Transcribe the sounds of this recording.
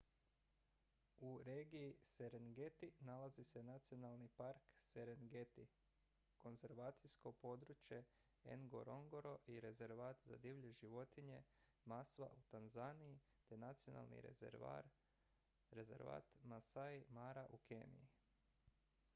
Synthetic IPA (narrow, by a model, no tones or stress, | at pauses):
uɾeːɡijiseɾenɡet̪inalazise̞nat̪sio̞nalˠnipaɾkseɾenɡet̪i | ko̞nze̞ɾʋaːt̪sijsko̞po̞d̪ɾut͡ʃje̞ | ḛŋɡo̞̰ɾo̞ŋɡoɾo̞ʔiɾe̞zeɾʋaːt̪za̰d̪iʋʎeʒiʋo̞t̪iɲe̞ | masʋa̰ʔut̪anzaniji | t̪enat̪sio̞na̰lˠnḭ | ɾezḛɾʋa̰ːt̪masajmaɾaʔukʰeːnḭji